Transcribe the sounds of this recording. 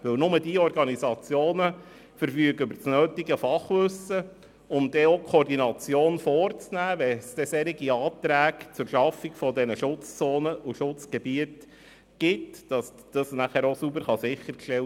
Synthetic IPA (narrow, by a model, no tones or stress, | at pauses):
ʋɵwnʊmədiɔrɡɑnizɑt͡sjoːnə | fəɾfyːəɡəʏbəɾt͡snøːtiɡəfɑχʋʏsə | ʊmd̥ɛokʰoːɾdinɑt͡sjoːnfɔːɾt͡snæːʋɛsd̥ɛsɛɾiɡiɑːt̪ɾæːkt͡sʊɾʃɑfiɡfɔdɛnəʃʊt͡st͡soːnəʔuʃʊt͡sɡ̥ɛbiət | ɡ̥ɪtd̥ɑs | d̥ɑsnæχæːɾosubəɾχɑsɪχːəɾkʃtɛl